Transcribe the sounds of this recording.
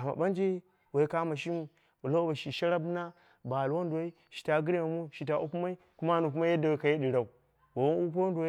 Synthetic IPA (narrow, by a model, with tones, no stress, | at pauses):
a˨ma̰˨ba˦nd͡ʒi˦ | wa˨i˦ka˦ma˨ʃi˦mu˦ | bu˨la˦ba˨ʃi˨ʃa˦ɾa˦bu˦na˦ | ba˨lu˨wa˦n˦du˨a˦i˦ | ʃi̥˨ta˦ɡi˦ɾe˦ma˨mu˦ʃi˨t̬a˨ʔu˦pu˦ma˦i˦ | ku˦ma˦nu˨k̬u˦ma˦ja˦da˨wa˨˦ka˨je˦di˨ɾa˨u˨ | wa˨wa˦u˦p̬u˦d